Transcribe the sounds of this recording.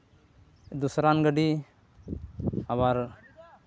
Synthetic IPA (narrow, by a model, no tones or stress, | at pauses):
d̪usɾanɡəɖi | aβaɾ